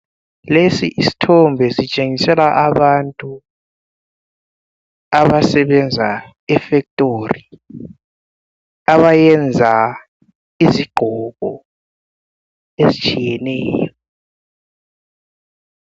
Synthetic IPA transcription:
lesiʔisi̥tʰɔmbʱɛsit͡ʃʼeŋisɛlaʔaβantʼu | aβasɛβɛnd͡zʱa̰ | ɛfɛk̚tʼori | aβajɛnd͡zʱa | iziɡ͡ǃʱɔɣɔ̰ | ezit͡ʃʼijɛnɛːjɔ

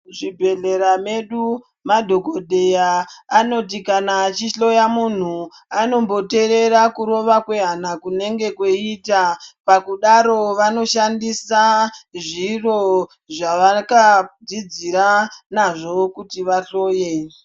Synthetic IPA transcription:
ʐibʱe̞ɮe̞ɾame̞ɗu | madʱo̞ko̞dʱejaːno̞t̬ikanat͡ʃiɬo̞jamun̤u | ano̞mbo̞te̞ɾe̞ɾakuɾo̞ʋakwe̞ɦanakune̞ŋɡe̞koitapakuɗaɾo̞ʋano̞ʃandisaʐiro̞ | ʐaʋakad͡zid͡ziɾanaʐo̞kutiʋaɬo̞ːje

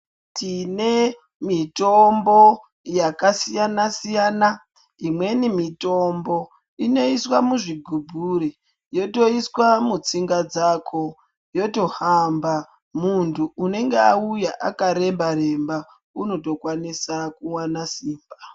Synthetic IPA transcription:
tʰine | mitombo̞ | jakasijanasijaːna | imwe̞nimito̞mbo̞ | ino̞iswamuʐiɡʱubʱuɾi | jo̞to̞iswamut͡siŋɡad͡zaːkʰo̞ | jo̞to̞hamba | muntʰuːne̞ŋɡeaujaʔakaɾe̞mbaɾe̞mba | uno̞to̞kwanisakuwanasiːmba

